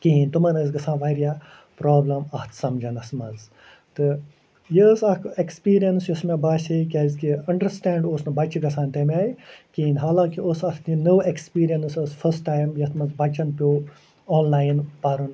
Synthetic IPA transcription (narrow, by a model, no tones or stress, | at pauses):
kint̪umɐnɐzɡɐsãːnʋɐɾija | pɾoːblɐmɐht̪ʰsɐmd͡ʒɐnɐsmɐz | t̪ɨ | jəsɐkekspiːɾijɐnsjusmebaːʃɐkʲɐzkiɐɳɖɐɾsʈæːɳɖoːsnɐbɐt͡ʃiɡɐsʰãːnt̪emʲaːikiːnɦaːlãːŋkiosɐt̪ʰt̪inoːekspiːɾijɐnsosfʰəsʈːaːjmjɐt̪ʰmɐzbɐt͡ʃɐnpʲoː | ɔːnlaːjnpɐɾun